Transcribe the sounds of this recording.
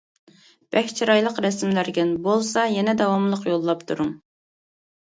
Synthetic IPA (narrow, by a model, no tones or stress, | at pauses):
b̥ɛkʲt͡ʃʰiɾɑjlˠəqɾɛsmlæɾɡʲɛnbolˠsɑjɛnɛd̪ɑwɑmlˠəqjolˠːɑpt̪ʰuɾuŋ